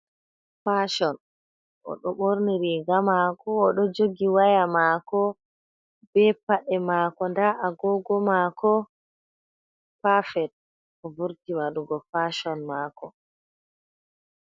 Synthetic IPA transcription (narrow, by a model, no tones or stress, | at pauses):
faʃɔn | ʔɔ̰ɗɔɓoɾniɾiɡamakɔːɗɔd͡ʒoɡiwajamaːkɔ | bɛpaɗɛmakɔndaʔaɡɔɡɔmakɔ | pafɛt̚ | ɔvuɾtimaɗuɡɔfaʃɔnmaːkɔ